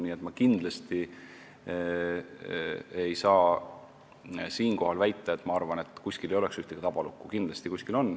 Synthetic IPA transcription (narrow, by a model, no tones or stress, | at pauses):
niːe̞t̪mɑkind̪̥lɑst̪i | e̞jsɑː | siːnko̞ɦɑlvæjt̪ːˑeet̪ːˑmɑɑrvɑne̞t̪ːˑkuskilejo̞leksyht̪eɡ̥it̪ɑb̥ɑlukːˑukind̪lɑst̪ikuskilo̞nː